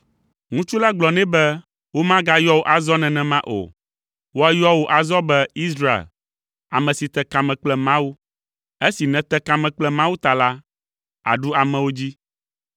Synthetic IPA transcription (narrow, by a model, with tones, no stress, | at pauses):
ŋũ˦t͡ʃu˦la˦ɡ͡blɔ˨nɛ̃˦bɛ˦ | wo˦mã˦ɡa˦jɔ˦wo˦ʔa˨zɔ˦nɛ̃˨nɛ̃˨mã˦ʔo̰˨ | wo˦a˦jɔ˦wo˦ʔa˨zɔ˦bɛ˦i˦sɾa˦ḛ˨l | a̰˨mɛ̃˨si˨t̪ɛ˦ka˨mɛ̃˨k͡plɛ˦mã˦wu˦ | e˦si˨nɛ̃˨t̪ɛ˦ka˨mɛ̃˨k͡plɛ˦mã˦wu˦t̪a˨la˦ | a̰˨ɖu˦a˨mɛ̃˨wo˦d͡ʑi˦